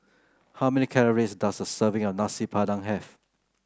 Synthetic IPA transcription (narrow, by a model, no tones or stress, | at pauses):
hawmɛnikʰɛləɹisdasdəsəvɪ̃ŋɔfnasipʰadãŋɦɛf